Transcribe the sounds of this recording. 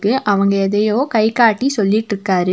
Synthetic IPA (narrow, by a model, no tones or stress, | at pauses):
kːɯʔɐʋɐŋɡɐɛðɐjoːkɐɪkaːʈːisɔlːɪʈːɾɯkːaːɾɯ